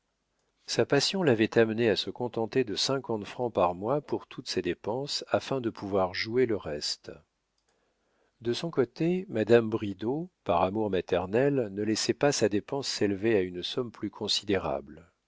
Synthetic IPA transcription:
sapasjɔ̃lavɛt̪amneasəkɔ̃t̪ɑ̃t̪ed̪əsɛ̃kɑ̃t̪fχɑ̃paʁmwapuʁt̪ʰut̪sed̪epɑ̃safɛ̃d̪əpʰuvwaʁʒueləʁɛst̪ | d̪əsɔ̃kot̪emad̪ambʁid̪opaʁamuʁmat̪ɛʁnɛlnəlɛsɛpasad̪epɑ̃sːelveaynsɔmplykʰɔ̃sid̪eʁa̰bl

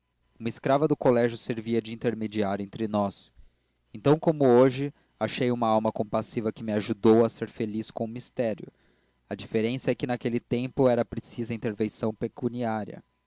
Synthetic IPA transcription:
ũmɐɪskɾavɐd̪ʊkolɛʒjʊseɾviɐd͡ʒɪĩnt̪eɾmed͡ʒiaɾẽnt̪ɾɪnɔs | ẽnt̪ɐ̃w̃kõmʊoʒɪ | aʃejũmɐawmɐkõpasivɐkɪmɪaʒud̪owɐseɾfeliskõʊmist̪ɛɾjʊ̰ | ɐd͡ʒifeɾẽsɐɛkɪnakelɪt̪ẽmpʊɛɾɐpɾesizɐĩnt̪eɾvẽsɐ̃w̃pekuniaɾjɐ̰

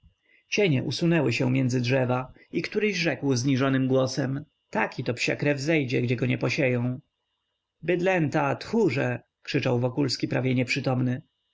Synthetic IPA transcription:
t͡ɕeɲɛ̰ʔusunɛwɘɕɛmjɛndzɘdʐɛva | ikt̪uɾɘɕʐɛkwzɲiʐɔnɘmɡwɔsɛm | t̪akʲit̪ɔpɕa̰kɾɛvzɛjd͡ʑɛɡd͡ʑɛɡɔɲɛpɔɕejɔ̃w̃ | bɘd̪lɛnt̪at̪xuʐɛ | kʂɘt͡ʂawvɔkulskʲipɾavʲjɛɲɛpʂɘt̪ɔmnɘ

